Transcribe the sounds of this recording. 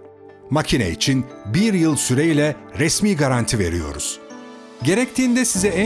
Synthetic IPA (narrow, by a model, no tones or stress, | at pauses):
macʰinɛ̰it͡ʃʰinbiɾjɯlˠsyɾejilʲɛ | ɾɛsmiːɡaɾant̪ʰive̞̰ɾijo̞̰ɾuz̥ | ɟe̞ɾɛct̪ʰiːnd̪ɛsizɛæ